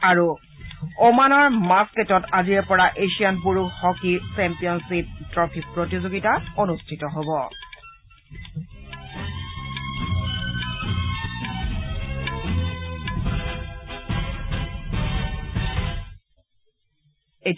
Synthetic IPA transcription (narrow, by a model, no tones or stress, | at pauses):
aɹu | omanɔɹmasketɔtaziɹpɔɹaʔeʃianpuɹuhɔkisɛmpijɔnsip̚tɹɔpʰik̚pɹotizoɡitaonustʰitɔɦobɔ | et